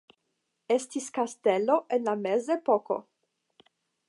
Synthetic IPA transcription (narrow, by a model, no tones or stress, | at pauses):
estiskasteloʔenlamezepoko̞̰